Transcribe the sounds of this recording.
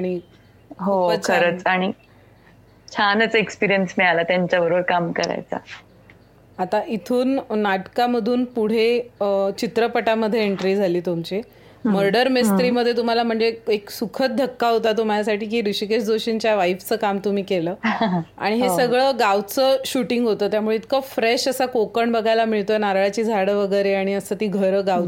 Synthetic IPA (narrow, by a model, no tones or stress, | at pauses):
aɽ̃i | ɦoəkʰəɾət͡saɽ̃i | t͡ɕʰanət͡səekspiɾijənsmiɭalat̪jaɲt͡ɕjabəɾobəɾkamkəɾa̰jt͡sa̰ | at̪aʔit̪ʰuːnːaʈkaməd̪ʱuːnpuɽ̤et͡ɕit̪ɾəpəʈaməd̪ʱjeeɳʈɾiːd͡zʱaliːt̪umt͡ɕi | məɾɖəɾmist̪ɾiːməd̪ʱːjet̪um̤alam̤əɳd͡zeeksukʰət̪̚d̪ʱəkːaɦot̪at̪̬um̤alasaʈʰiːkiːɾiɕikeɕd͡zoɕint͡ɕjaʋaift͡səːkamt̪um̤iːkeləːa̰ɽ̃iɦesəɡɭəːɡaw̪t͡səːɕuʈiŋɡɦot̪əːt̪jamuɭeit̪kəfɾeɕəsakokəɳbəɡʱajlamiɭt̪ojnaɾɭat͡ɕiːd͡zʱaɽəʋəɡəjɾeaɽ̃iəsəːt̪iːɡʱəɾəːɡaw